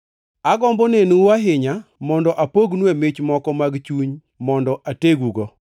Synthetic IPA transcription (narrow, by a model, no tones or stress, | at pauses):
aɡɔmbɔnenuwaɦɪɲamɔndɔʔapoɡnwemɪt͡ʃmɔkɔmaɡt͡ʃuɲ | mɔndɔʔateɡuɡo